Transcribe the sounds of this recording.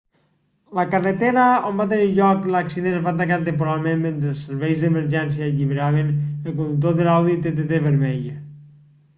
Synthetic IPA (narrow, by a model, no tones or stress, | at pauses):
lakaret̪eɾaombat̪̬eniɾʎɔklaksinenβat̪̬akaɾt̪̬ẽmp̬oɾalˠmẽmːẽnt̪ɾelˠseɾβɛjzðemeɾʒɛns̬jaːʎiβeɾaβ̞enelˠk̬ond̪uk̚t̪̬oðelawðit̪et̪et̪eβeɾmɛʎe